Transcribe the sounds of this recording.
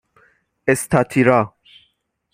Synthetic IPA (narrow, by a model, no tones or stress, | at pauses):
ɛst̪at̪ʰiɾa